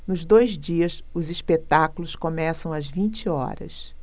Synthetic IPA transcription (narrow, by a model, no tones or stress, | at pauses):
nʊzd̪ojzd͡ʒiɐs | ʊziʃpet̪akulʊskomɛsɐ̃w̃ɐzvĩnt͡ʃɪɔ̰ɾɐ̰s